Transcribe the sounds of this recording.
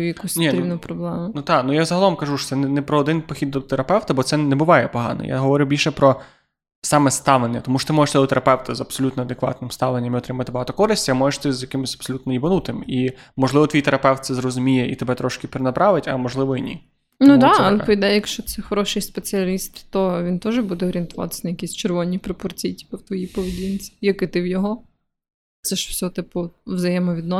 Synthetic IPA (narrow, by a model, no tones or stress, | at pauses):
jɐkusʲnʲiɾʲinʊpɾɔblˠɛmʊnut̪ɑnujazɐɦɐlˠɔmkɐʒuʃɔ̥t̪sɛnɛnɛpɾɔːd̪ɪnpɔxʲid̪d̪ɔt̪eɾɐpɛwt̪ɐbɔt̪sɛnɛbʊʋɑjɛpɔɦɑ̰nɔ̰jʔa̰ɦɔʋɔɾʲʊbʲilʲʃɛpɾɔ | sɑmɛst̪ɑʋlˠenʲːɐt̪ɔmuʃɔt̪ɪmɔʒeʃt̪ɪd̪ɔt̪eɾɐpɛwt̪ɐzɐbsɔlʲut̪nɔɐd̪ekʋɑ̰t̪nɪmst̪ɑʋlˠenʲːɐmiɔt̪ɾɪmɐt̪ɪbɔɦɑt̪ɔkɔɾɪsʲtʲɐmɔjeʂt̪ɪzjɐkɪmɪsʲɐb̥sɔlʲut̪nɔibɐnut̪ɪmimɔʒlˠɪʋɔt̪ʋijt̪eɾɐpɛwt̪sɛzɾrɔzʊmʲijɛḭt̪ebɛt̪ɾɔʃkɪpʲɾenɐpɾɑʋɪtʲɐmɔʒlˠɪʋɔinʲḭ | nud̪ɑɐlˠɛpɔid̪ɛjjɐkʃt͡ʃɔt̪sɛxɔɾɔʃɪjspet͡sʲiɐlʲist̪ːɔʋʲint̪ɔʒɛbud̪ɛɔɾʲiɪnt̪ʊʋɑ̰t̪ɪ̥sʲnɐjɐkʲisʲt͡ʃerʋɔnʲipɾɔpɔrt͡sʲijtʲi̥pɛwt̪ʋɔjipɔʋedʲint͡sʲi̥jɐkɪt̪ɪwjɔɦɔ | t̪sɛʃfsʲɔt̪ɪpʊʋzɐjɛmɔʋʲid̪nɔ